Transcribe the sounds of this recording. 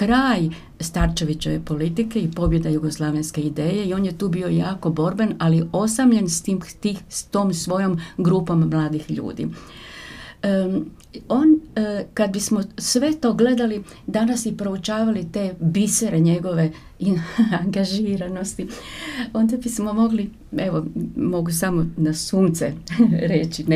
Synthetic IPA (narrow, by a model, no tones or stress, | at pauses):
kɾaːj | st̪aɾt͡ʃe̞ʋit͡ɕe̞ʋe̞̰po̞lit̪ike̞ipo̞bje̞d̪ajuɡo̞slˠaʋenske̞id̪e̞ːje̞io̞ːnjet̪uːbio̞jaːko̞bo̞ɾbenalio̞samʎe̞nst̪imt̪ixst̪o̞ːmsʋo̞jo̞mɡɾuːpo̞mːlˠaːd̪ixʎṵːd̪ḭ | o̞nkad̪̚bismo̞sʋe̞t̪o̞ːɡle̞d̪ali | d̪anasipɾo̞ut͡ʃaːʋalit̪e̞biseɾe̞ɲe̞ɡo̞ʋe̞ | aŋɡaʒiːɾano̞st̪io̞nd̪abismo̞mo̞ɡli | e̞ʋomo̞ɡusamonasuːnt̪sḛɾet͡ɕin